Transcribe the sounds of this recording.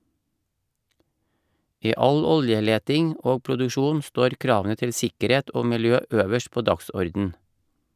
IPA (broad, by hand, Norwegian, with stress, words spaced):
ˈiː ˈɑl ˈɔljəˌleːtɪŋ ˈoː pɾʊdʉˈʃuːn ˈstoːɾ ˈkɾɑːʋn̩ə ˈtɪl ˈsɪkəˌɾeːt ˈoː mɪlˈjøː ˈøːʋəʃ ˈpoː ˈdɑksɔɾdn̩